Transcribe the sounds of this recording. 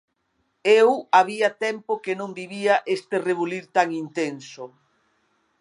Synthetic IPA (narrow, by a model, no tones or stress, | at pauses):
ewaβiɐt̪ɛmpokenõŋbiβiaʔest̪ereβuliɾt̪aŋint̪ensʊ